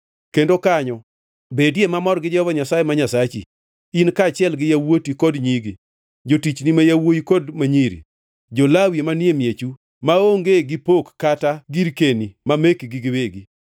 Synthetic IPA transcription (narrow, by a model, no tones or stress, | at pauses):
kendokaɲɔ | bedjemamɔɾɡɪd͡ʒvɔɲasajemaɲasat͡ʃḭ | inkat͡ʃɪɛlɡɪjawotikodɲiɡi | d͡ʒotit͡ʃnimajawojikodmaɲiɾḭ | d͡ʒolawjemanjemjet͡ʃu | maoŋɡeɡɪpokːataɡiɾkenimamekɡɪɡɪweɡi